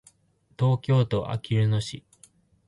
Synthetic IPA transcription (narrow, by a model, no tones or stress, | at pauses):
t̪o̞ːkʲo̞ːt̪o̞ʔa̰kʲiɾɯ̟no̞ɕi